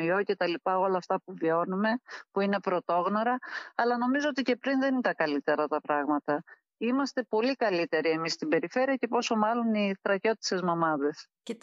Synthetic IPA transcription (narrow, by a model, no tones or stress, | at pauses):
io̞ce̞t̪ɐlipɐo̞lɐːft̪ɐpuvio̞nume̞puine̞pɾo̞t̪o̞ɣno̞ɾɐːlɐno̞mizo̞ot̪ice̞pɾinðe̞nit̪ɐkɐlit̪e̞ɾɐt̪ɐpɾɐɣmɐt̪ɐ | imɐst̪e̞po̞likɐlit̪e̞ɾie̞mist̪ibe̞ɾife̞ɾiɐce̞po̞so̞mɐlo̞niθɾɐço̞t̪i̥sezmomɐðe̞s